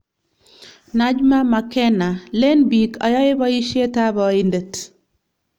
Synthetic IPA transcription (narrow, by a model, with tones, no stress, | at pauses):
na˦d͡ʒma˦ma˨kɛ˦na˨le˦nbi˨ka˨jɔ˦jɪ˦bɔ˦i˦ʃe˦ta˦bɔɪ˦ndə˨t